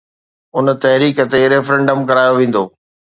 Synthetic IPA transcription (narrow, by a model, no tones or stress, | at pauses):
ʊnt̪ɐɦɾiːkə̆t̪eɾeːfəɾɛ̃ɳɖəmkɐɾaːjoʋẽːn̆d̪oː